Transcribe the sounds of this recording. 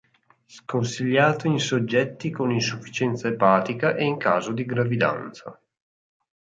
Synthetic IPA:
skonsiʎːaːt̪oinsod͡ʒːɛt̪ːikoninsufːi̥t͡ʃɛnt̪saepaːt̪ikaʔeiŋkaːzod̪iɡɾavid̪a̰nt̪sa̰

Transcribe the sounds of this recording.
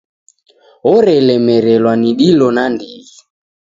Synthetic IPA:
ɔɾɛlɛmɛɾɛlwaniɗilɔnandiɣi

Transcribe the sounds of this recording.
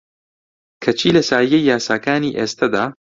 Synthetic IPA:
kʰɐt͡ʃʰiːlɐsaːjijejːaːsaːkaːniːʔeːst̪ʰɐd̪aː

